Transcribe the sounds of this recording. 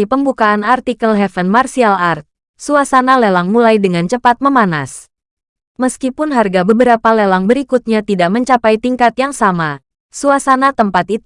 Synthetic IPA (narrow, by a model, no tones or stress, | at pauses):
ipəmbukaʔːnart̪ikəlɦɛfənmarsialart̪̚ | suasanalelaŋmulajdəŋant͡ʃəpat̪̚məmana̰s | məskipʊnɦarɡabəbəɾapalelaŋbəɾikut̪̚ɲat̪idaʔ̚məɲt͡ʃapajt̪iŋkat̪jaŋsama | suasanat̪əmpat̪it